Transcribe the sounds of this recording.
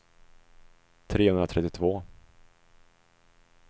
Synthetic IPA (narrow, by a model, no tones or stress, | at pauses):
t̪ʰɾeːhɵnd̪ɾat̪ʰɛt̪ːɪt̪ʰvoː